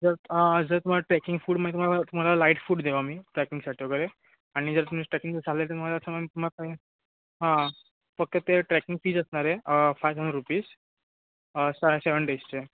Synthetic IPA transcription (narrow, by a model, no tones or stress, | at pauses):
d͡zəɾd͡zəɾt̪um̤alaʈɾɛkiŋɡfuːɽməĩt̪um̤alaat̪um̤alalaiʈfuːɽd̪eʋamiːʈɾɛkiŋɡsaʈʰiʋoɡəɾe | aɽ̃id͡zəɾt̪um̤iʈɾɛkĩŋɡt͡səd͡zʱalelt̪emalaəsəmamit̪um̤alakaɦi | ɦã | fək̚t̪ət̪eʈɾɛkiŋɡfiːd͡zəsɳaɾefajʋɦənɾupiːs | saseʋəɳɖest͡ɕe